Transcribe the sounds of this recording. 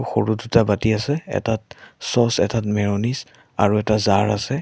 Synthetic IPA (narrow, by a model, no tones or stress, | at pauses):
xoɹudutabatiasɛɛ̰tatsɔsɛ̰tʰatmɛɹonis | a̰ɹuɛtazaɹasɛ